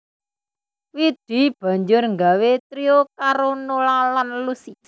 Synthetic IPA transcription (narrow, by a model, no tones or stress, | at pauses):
wid̪̥i̤b̥a̤ɲd͡ʒʊrŋɡawet̪ɾiokaɾonolalanlusi